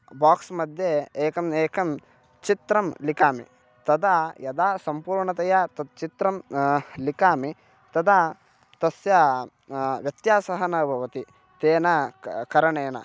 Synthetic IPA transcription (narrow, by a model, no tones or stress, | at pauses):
baːksmɐd̪ʱjeeːkɐmeːkɐm | t͡ʃit̪ɾɐmlikaːmḭ | t̪ɐd̪ɐjɐd̪aːsɐmpuːɾɳɐt̪ɐjɐt̪ɐt͡ʃit̪ɾɐmlikaːmi | t̪ɐd̪ɐ | t̪ɐsjɐ | ʋjɐt̪jaːsɐɦɐnɐbʱɐʋɐt̪i | t̪eːnɐkɐɾɐɳeːnɐ̰